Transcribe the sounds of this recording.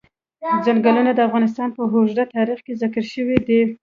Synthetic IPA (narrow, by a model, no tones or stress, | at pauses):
d͡zaŋɡəlunad̪əafɣɑnɪs̬t̪ɑnpəɦoʒd̪at̪ɑɾixkezakəɾʃəwid̪e